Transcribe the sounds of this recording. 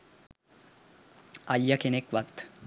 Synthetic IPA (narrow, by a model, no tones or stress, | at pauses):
ajːakenekʋakt̪